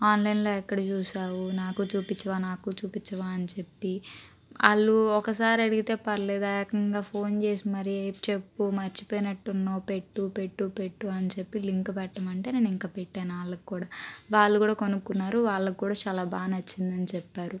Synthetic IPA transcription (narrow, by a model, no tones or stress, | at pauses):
aːnlɐjnlo̞ːɛkːɐɽɐt͡ʃuːsaːwunaːkut͡ʃuːpit͡ʃːɐʋaːnaːkut͡ʃuːpit͡ʃːɐʋaːɐnit͡ʃe̞pːi | ɐ̰ɭːuɔkɐsaːɾiɐɽiɡit̪e̞ːpɐɾleːd̪akɐŋɡaːpʰo̞ːnt͡ʃe̞ːsimɐɾiɐjpt͡ʃe̞pːumɐɾt͡ʃi̥poːjinɐʈːunːoːpe̞ʈːupe̞ʈːupe̞ʈːuɐnt͡ʃe̞pːiliŋkpɛʈːɐmɐɳʈe̞ːne̞ːniŋkaːpeʈːaːnaːɭːɐkikːuːɽaːʋaːɭːukuːɽaːko̞nukːunːaːɾuʋaːɭːɐkikːuːɽaːt͡ʃaːlaːbaːnɐt͡ʃːind̪ɐnit͡ʃɛpːaːɾu